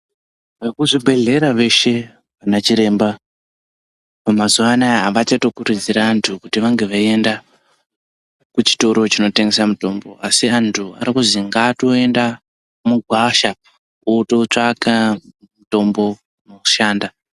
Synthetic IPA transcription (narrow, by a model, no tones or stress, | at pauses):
ʋarikuʐibʱe̞ɮe̞ɾaʋe̞ʃe̞ | ʋanat͡ʃiɾe̞ːmba | pamazuʋanaaʋat͡ʃatokuɾid͡ziɾaːntʰukutiʋaŋɡe̞ʋaie̞nda | kut͡ʃi̥to̞ɾo̞t͡ʃino̞teŋɡe̞samuto̞mbo̞ʔasiantʰua̰ɾikuziŋɡaːto̞e̞nda | muɡʱwaʃa | utot͡ʂaka | muto̞mbo̞ | noku̥ʃaːnda